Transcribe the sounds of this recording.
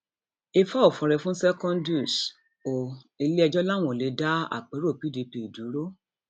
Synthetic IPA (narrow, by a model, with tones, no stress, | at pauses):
e˧fa˦ɔ˦˨fɔ̃˨ɾɛ˨fũ˦sɛ˦kɔ̃˦ndu˦˨s | o˨ | i˧le˦ɛ˧d͡ʒɔ˦la˦˨w̃ɔ̃˨le˨˦da˦a̰˦˨k͡pe˨˦ɾo˦˨pi˦di˨˧pi˨du˨˦ɾo˦